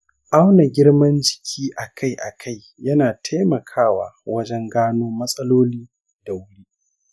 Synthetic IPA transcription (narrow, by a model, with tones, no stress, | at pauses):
ʔa˦wna˨ɡʲɪ˦ɽmɐ˦nd͡ʒɪ̥˨kʲʰiː˦ʔa˨kʰa˦jʔa̰˨kʰa˦˨j | jɐ˦naː˨tʰa˦mɐ˨kʰaː˦wa̰ː˨wɐ˦d͡ʒɛ˦ŋɡaː˦noː˦mɐ˦sʼɐ˦loː˦liː˦ | d̥a˨wʊ˦ɽiː˦